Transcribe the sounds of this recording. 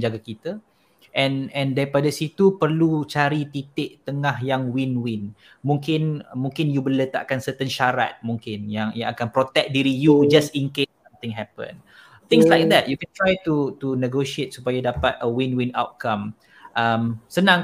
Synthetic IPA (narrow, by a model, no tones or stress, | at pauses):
ɲd͡ʒaɡakit̪a | ʔɛ̃nɛ̃ndaɾipadasit̪upərlut͡ʃaɾit̪it̪ɪʔt̪əŋahjaŋwinwɪn | mũŋkɪnmũŋkɪnjubələt̪a̰ʔkansət̪ənʃaɾa̰t̪̚mũŋkɪnjaŋjãŋakanpɾot̪ɛk̚diɾijud͡ʒastinkesamt̪ɪ̃ŋɦɛpə̰̃n | t̪ɪ̃ŋslajk̚d̪ɛt̪̚jukɛnt̪ɾajt̪ut̪unəɡoʃiet̪̚supajadapat̪̚əwinwina̰wt̪̚kãm | ʔamsənãŋ